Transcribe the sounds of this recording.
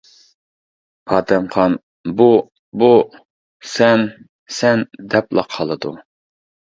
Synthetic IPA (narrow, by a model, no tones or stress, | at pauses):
pʰɑːd̪ɛmχɑn | bu | bu | sɛn | sɛnd̪ɛplˠɑ̰qʰɑlˠɨd̪ṵ